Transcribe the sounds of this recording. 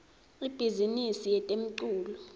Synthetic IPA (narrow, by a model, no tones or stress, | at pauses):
ib̥ʱizinisijɛtʼem̩ǀuːlɔ